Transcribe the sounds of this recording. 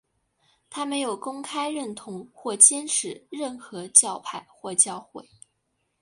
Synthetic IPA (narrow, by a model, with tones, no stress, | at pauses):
t̪ʰa˥me˧˥ɪjo˨˩ʊkʊ˥ŋkʰa˥ɪɻə˥˩nt̪ʰʊ˧˥ŋxwɔ˥˩t͡ɕjɛ˥nʈ͡ʂʰɻ̩˧˥ɻə˥˩nxɤ˧˥t͡ɕjɑ˥˧ʊpʰa˥˧˩ɪxwɔ˥˧t͡ɕjɑ˥˧ʊxwe˥˩ɪ